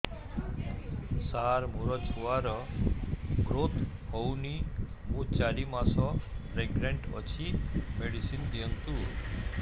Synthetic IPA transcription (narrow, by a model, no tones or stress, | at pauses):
saɾmuɾɔt͡ɕʰuʋaɾɔ | ɡɾot̪ʰ | hɔwni | mũːt͡ɕaɾimasɔpɾeɡɾeɳʈə̰t͡ɕʰimeɽisind̪int̪u